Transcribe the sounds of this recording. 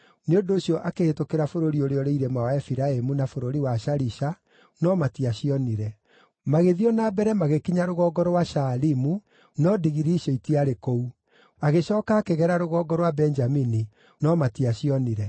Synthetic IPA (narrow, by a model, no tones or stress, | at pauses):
neondoːɕjɔʔakehetokeɾafoɾoɾioɾeɔɾeiɾɛmawaɛfiɾaemunafoɾoɾiwaʃaɾiʃa | nɔmatiaɕiɔniɾɛ | maɣeðiɔnabɛɾɛmaɣekiɲaɾoɣɔɡɔɾwaʃalimu | nɔdiɣiɾiʃɔitiaɾekou | aɣeʃɔːkaːkeɣɛɾaɾoɣɔːɡɔɾwabɛɲd͡ʒamini | nɔmatiaɕiɔniɾɛ